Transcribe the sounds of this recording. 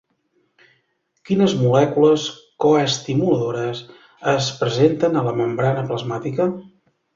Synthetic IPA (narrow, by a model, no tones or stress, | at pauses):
kinəzmulɛkuləskoəst̪imuləðoɾəs | əspɾəzent̪ənələməmbɾanəpləzmat̪ikə